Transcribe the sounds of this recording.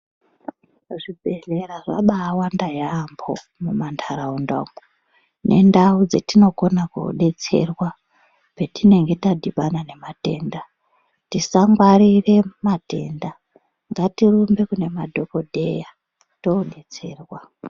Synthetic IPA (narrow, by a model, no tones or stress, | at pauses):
ʐibʱe̞ɮe̞ɾaʐaɓaːwandajaːmbo̰ | mumantʰaɾaundo̰mo | nʔe̞̰ndaud͡zetino̞ko̞nakṵɗe̞t͡se̞̰rwa | pe̞tine̞ŋɡe̞tadʱiɓanane̞mate̞̰ːnda | tisaŋɡwarire̞mate̞̰ːnda | ŋɡatirumbe̞kune̞madʱo̞ko̞dʱe̞̰ja | toɗe̞t͡se̞ːrwa